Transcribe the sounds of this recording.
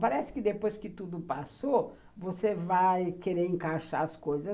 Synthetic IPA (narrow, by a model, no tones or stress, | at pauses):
paɾɛsɪ̥kɪd̪epojskɪt̪ud̪ʊpaso | vosevajkeɾeɾẽŋkaʃaɐskojzɐ